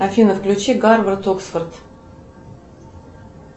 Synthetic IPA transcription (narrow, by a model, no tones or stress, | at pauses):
afʲinəfklʲʉt͡ɕiɡarvərt̪oksfərt̪